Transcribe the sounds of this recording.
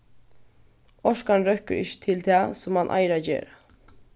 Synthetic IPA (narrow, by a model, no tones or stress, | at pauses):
ɔʂkanɾœhkəɾɪ̰ʃə̥t̪ʰɪlt̪ʰæːsʊmhanʔa̰ɪɾad͡ʒḛːɾ